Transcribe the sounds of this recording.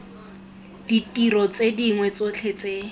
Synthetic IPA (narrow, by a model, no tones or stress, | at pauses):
d̥itʼirɔt͡sediŋwɛt͡sot͡ɬʰet͡seː